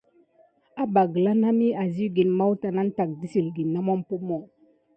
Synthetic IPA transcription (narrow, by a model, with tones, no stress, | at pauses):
a˦ba˨ɡə˨la˦na˦mi˦a˨zi˦ɡi˨nma˦wta˨na˦n̩˦ta˨k̚di˦si˨lɡi˨nːa˦mɔ˦m˦po˦mɔ˦˨